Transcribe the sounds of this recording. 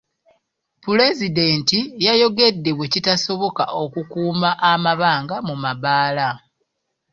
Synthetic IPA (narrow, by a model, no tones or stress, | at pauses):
pule̞zide̞ːntijajo̞ɡe̞dːe̞we̞citaso̞βo̞kaʔo̞kukuːmaʔːmaβaːŋɡamumaβaːla